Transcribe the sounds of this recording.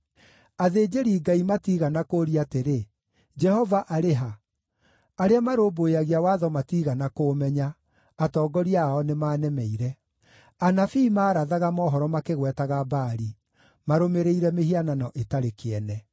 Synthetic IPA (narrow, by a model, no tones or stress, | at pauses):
aðeːd͡ʒeɾiːɡaimatiɣanakoɾiateɾe | d͡ʒɛhɔvaʔaɾeɦa | aɾeamaɾoːboeaɣiawaðɔmatiːɣanakoːmɛɲa | atɔːɡɔɾiaɔnemaːnɛmɛiɾɛ | anafiːmaːɾaðaɣamɔːɦɔɾɔmakeɣwɛtaɣabaːɾi | maɾomeɾeiɾɛmeɦiananɔʔetaɾekeɛnɛ